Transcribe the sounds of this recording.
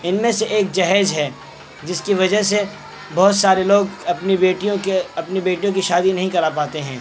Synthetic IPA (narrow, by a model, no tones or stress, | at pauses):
ɪnmẽseʔeːk̚d͡ʒɐɦɛːd͡ʒɦɛː | d͡ʒɪskiʋɐd͡ʒəɦse | bɔɦʊt̪saːɾeloːɡɐpnibeːʈijõkeɐpnibeːʈijõk̬iʃaːd̪inɐɦĩkɐɾapaːt̪eɦɛ̃ː